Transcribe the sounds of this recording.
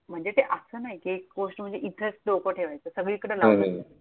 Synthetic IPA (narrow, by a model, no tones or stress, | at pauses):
m̤əɳd͡zet̪eʔəsəːnaɦikiekkoʂm̤əɳd͡zeʔit̪ʰesʈ̚lokoʈʰeʋajt͡səːsəɡɭiːkəɽəlana